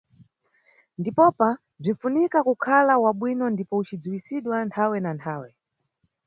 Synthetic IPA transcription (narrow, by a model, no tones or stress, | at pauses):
ndipɔpa | b͡ʐinfunikakukʰalawaɓwinɔndipɔut͡ʃid͡zuwisiɗwantʰawɛnantʰaːwɛ